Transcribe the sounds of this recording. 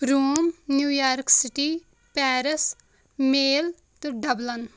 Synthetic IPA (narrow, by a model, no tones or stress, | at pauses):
ɾuːmnjuːjaːɾksɪʈi | pɛːɾəs | meːl | t̪uɖɐblɐn